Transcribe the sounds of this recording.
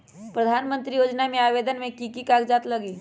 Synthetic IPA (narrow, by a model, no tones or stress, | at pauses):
pɾəd̪ʱaːnmə̃nt̪ɾijoːd͡ʒnamẽaːʋeːd̪ənmẽkikikaɡd͡ʒaːt̪ləɡiː